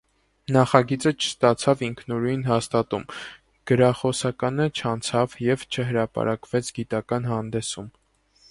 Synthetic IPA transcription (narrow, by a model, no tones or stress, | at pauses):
nɑχɑɡit͡sət͡ʃʰə̥st̪ɑt͡sʰɑviŋkʰnuɾujnɦɑst̪ɑt̪um | ɡ̥əɾɑχɔsɑkɑnət͡ʃʰɑnt͡sʰɑvjɛvt͡ʃʰəɦəɾɑpɑ̰ɾʔɑkvɛt͡sʰɡit̪ɑkɑnɦɑnd̪ɛsum